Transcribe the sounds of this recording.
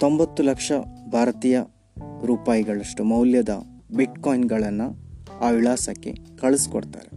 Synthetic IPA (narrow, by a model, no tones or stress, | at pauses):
t̪o̞mbɐt̪ːulɐkʂɐbʱaːɾɐt̪iːjɐ | ɾuːpaːjiɡɐɭɐʂʈumɐwljɐd̪ɐ̰biʈkoːjinɡɐɭɐnːuaːʋilaːsɐkːe̞̰kɐɭusi̥ko̰ɽt̪a̰ːɾe